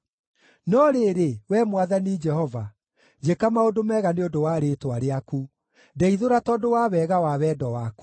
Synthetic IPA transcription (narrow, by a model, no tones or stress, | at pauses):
nɔɾeɾewɛmwaðanid͡ʒɛhɔva | d͡ʑekamaodomɛɣaneodowaːɾetwaɾeaku | dɛiðoɾatɔdowawɛːɣawawɛːdɔwaku̥